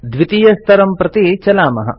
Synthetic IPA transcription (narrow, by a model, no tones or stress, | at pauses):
d̪ʋit̪ijɐst̪ʰɐɾɐmpɾɐt̪it͡ʃɐlaːmɐɦɐ̰̆